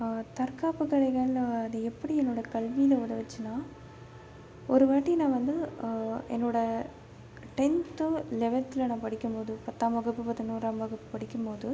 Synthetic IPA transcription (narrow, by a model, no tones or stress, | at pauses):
t̪ɐɾkaːpɯkːɐɽɐɪɣɐɭɐðɯɛpːɐɽiɛnːoːɽɐkɐɭʋijɪlɐʊðɐʋɐt͡ʃːɯnaː | ɔɾɯʋaːʈːinãːʋɐnd̪ɯ | ɛ̰nːoːɽɐ | ʈɛnt̪ɯlɛʋɐt̪ːɪlɐnãːpɐɽɪkʲːɯmpoːðɯpɐt̪ːaːmɐɣɯpːɯpɐt̪ːɐnuːɾaːmɐɣɯpːɯpɐɽɪkʲːɯmpoːðɯ